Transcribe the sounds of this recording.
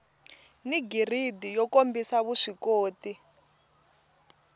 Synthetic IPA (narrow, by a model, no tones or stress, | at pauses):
niɡiridijɔkombisaβuʂikoːti